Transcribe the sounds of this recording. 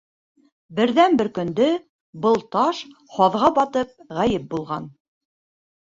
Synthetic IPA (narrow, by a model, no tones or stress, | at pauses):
bɘ̆ɾðænbɘɾkɵ̆nd̪ɵ | bɤlˠt̪ɑʃ | hɑðʁɑbɑt̪ɤp̚ʁæjɘp̚bulˠʁɑn